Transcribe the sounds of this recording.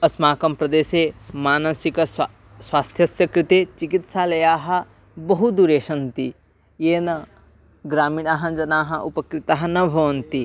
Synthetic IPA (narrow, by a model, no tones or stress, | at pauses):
ɐsmaːkɐmpɾɐd̪eːsemaːnɐsikɐ | swaːst̪ʰjɐsjɐkɾit̪et͡ʃikit̪salɐjaːɦɐ̆ | bɐɦud̪uɾeːʃɐnt̪i | jeːnɐ | ɡɾaːminaɦɐ̃d͡ʒɐnaːɦɐʔṵpɐkɾit̪aɦɐnɐbʱɐʋɐnt̪i